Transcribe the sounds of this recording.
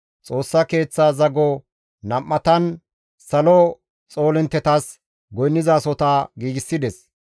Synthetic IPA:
t͡sʼo̞ːsːɐke̞ːt͡sːaːzɐɡɔ | nɐmːɐt̪ɐn | sɐlɔ | t͡sʼo̞ːlɪnt̪ːɛt̪as | ɡɔjnːɪzaːsɔt̪aɡiːɡɪsːɪd̪ɛs

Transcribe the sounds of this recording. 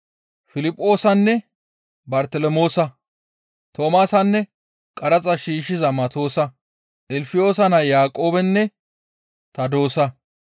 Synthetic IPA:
fɪlɪpʼːo̞ːsɐnːɛ | bɐɾt̪ɛlɔmo̞ːsɐ | t̪ʰo̞ːmaːsɐnːɛ | kʼɐɾɐt͡sʼɐʃiːʃɪzɐmɐt̪o̞ːsɐ | ʔɪlfɪjo̞ːsɐnɐjaːkʼo̞ːbɛnːɛ | t̪ɐd̪o̞ːsɐ

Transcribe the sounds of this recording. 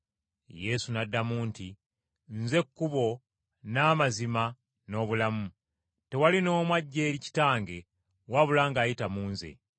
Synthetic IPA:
je̞sunadːamuːnti | nze̞kːuβo̞ | naːmazima | no̞ːβulamu | te̞walino̞ːmwaɟːe̞ːɾici̥taːŋɡe̞ | waβulaːŋɡaːjitamuːnze̞̰

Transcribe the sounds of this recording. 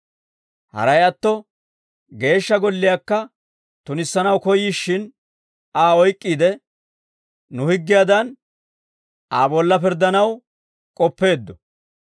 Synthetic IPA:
hɐ̰ɾɐjɐt̪ːɔ | ɡe̞ːʃːɐɡɔlːɪjakːɐ | t̪ʊnɪsːɐnɐwkɔjiʃːɪn | aːɔjkʼːiːd̪ɛ | nʊhɪɡːɪjad̪ɐn | aːbɔlːɐpɪɾd̪ːɐnɐw | kʼɔpːe̞ːd̪ːɔ

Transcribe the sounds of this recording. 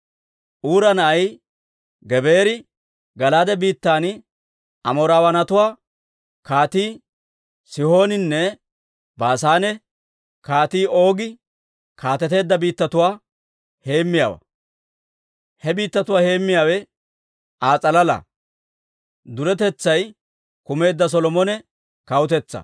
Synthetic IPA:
ʔuːɾɐnɐʔɐj | ɡɛbe̞ːɾɪ | ɡɐlaːd̪ɛbiːt̪ːaːnɪ | ɐmɔːɾaːwɐnɐt̪ʊwaː | kaːt̪iː | sɪho̞ːnɪnːɛ | baːsaːnɛ | kaːt̪iːo̞ːɡɪ | kʰaːt̪ɛt̪e̞ːd̪ːɐbiːt̪ːɐt̪ʊwaː | he̞ːmːɪja̰ːwɐ̰ | hɛbiːt̪ːɐt̪ʊwaːhe̞ːmːɪjaːwɛ | aːt͡sʼɐlɐlɐ̰ | d̪ʊɾɛt̪ɛt͡sːɐj | kʊme̞ːd̪ːɐs̬ɔlɔmɔnɛ | kɐwʊt̪ɛt͡sːɐ̰

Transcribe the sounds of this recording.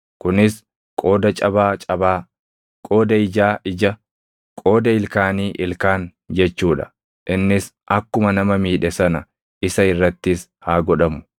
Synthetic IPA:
kʊnɪs | kʼoːd̪ɐt͡ʃʼɐbaːt͡ʃʼɐbaː | kʼoːd̪ɐɪd͡ʒaːɪd͡ʒɐ | kʼo̞ːd̪ɐɪlkaːniːʔɪlkaːn | d͡ʒɛt͡ʃːuːᶑɐ̥̰ | ʔɪnːɪs | ʔɐkːʊmɐnɐmɐmiːᶑɛsɐnɐ | ʔɪsɐɪrːɐt̪ːɪs | haːɡɔᶑɐmʊ̥

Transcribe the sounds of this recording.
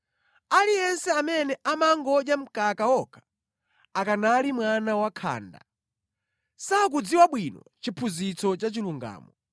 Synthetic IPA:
alijɛnsɛamɛnɛʔamaŋɡɔd͡ʒam̩kakaɔkʰḁ | akanalimwanawakʰa̰ːnda̰ | sak̬ud͡ziwaɓwinɔ̰ | t͡ʃipʰuzit͡sɔt͡ʃat͡ʃiluŋɡa̰ːmɔ

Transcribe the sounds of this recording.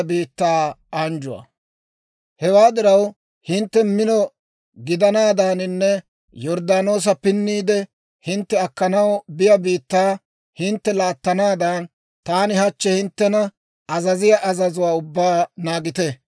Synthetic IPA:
biːt̪ːaːand͡ʒʊwa̰ː | hɛwaːd̪ɪɾɐw | hɪnt̪ːɛmɪnɔ | ɡɪd̪ɐnaːd̪aːnɪnːɛ | jɔɾd̪aːno̞ːs̬ɐpɪnːiːd̪ɛ | hɪnt̪ːɛɐkːɐnɐwbɪjɐbiːt̪ːaː | hɪnt̪ːɛlaːt̪ːɐnaːd̪aːn | t̪aːnɪhɐt͡ʃːɛhɪnt̪ːɛnɐ | ɐzɐzɪjaʔɐzɐzʊwaːʊbːaːnaːɡɪt̪ɛ

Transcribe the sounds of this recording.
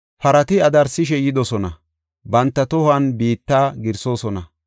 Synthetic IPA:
fɐɾɐt̪ɪɐd̪ɐɾsɪʃ̬ɛjɪd̪ɔsɔnɐ | bɐnt̪ːɐt̪ɔhɐnbiːt̪ːaːɡɪɾso̞ːsɔnɐ

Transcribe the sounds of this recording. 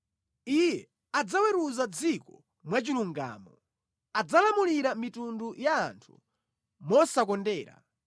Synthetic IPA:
ijɛ | ad͡zawɛɾuzad͡zikɔ | mwat͡ʃiluŋɡa̰ːmɔ | ad͡zalamuliɾamitundujaːntʰu | mɔsakɔndɛːɾa̰

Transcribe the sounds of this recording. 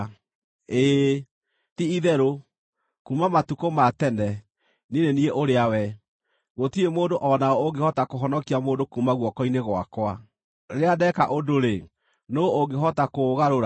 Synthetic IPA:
e | tiiðɛɾo | kumamatukomatɛndɛ | ninenieʔoɾeawɛ | ɣotiemoːndoʔɔnaɔoɡehɔtakoɦɔnɔkiamoːndokumaɣwɔkɔineɣwa̰kwa | ɾeadɛkaʔodoɾe | nooŋɡeɦɔtakoɣaɾoɾa

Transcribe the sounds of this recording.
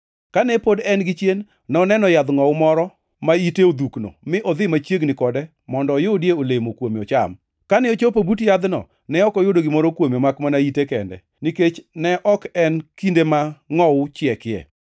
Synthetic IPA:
kanɛpodɛnɡɪt͡ʃjenː | ɔnɛnɔjad̪ŋɔwʊmɔɾɔ | maiteod̪ukno̰mɪʔɔd̪ɪmat͡ʃjeɡnɪkɔdɛ | mɔndɔjodjeolemokwomɔt͡ʃa̰m | kanɪot͡ʃopobutjad̪nɔ̰ | nɛɔkɔjodoɡɪmɔɾokwomɔmakmanaitekɛndɛ̰ | niket͡ʃnɛʔɔkɛnkindemaŋɔʊt͡ʃɪɛkɪɛ̰

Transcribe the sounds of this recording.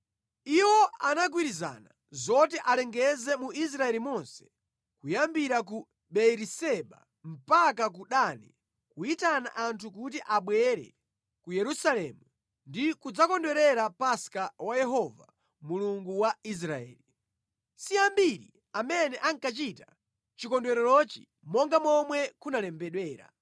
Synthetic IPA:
iwɔanaɡwiɾiza̰na | zɔtɛʔalɛŋɡɛzɛmuis̬ɾaɛlimɔnsɛ̥ | kujambiɾak̬u | ɓɛɾisɛɓa̰ | m̩pakak̬uɗani | kuitana̰ʔantʰukut̬iʔaɓwɛɾɛ̰ | kujɛɾusalɛːmu | ndikud͡zakɔndwɛɾɛɾapaskawajɛɦɔva | muluŋɡuwais̬ɾaɛ̰ːli | siambiɾḭ | amɛnɛʔaŋkat͡ʃita | t͡ʃikɔndwɛɾɛlɔt͡ʃi | mɔŋɡamɔmwɛkunalɛmbɛɗwɛːɾa̰

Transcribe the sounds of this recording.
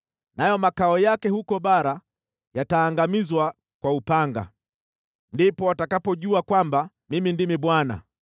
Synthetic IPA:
najɔmakaɔjakɛhukɔɓaɾa | jataːŋɡamizwa | kwaupaŋɡa̰ | ndipɔwatakapɔʄuakwamba | mimindimiɓwana̰

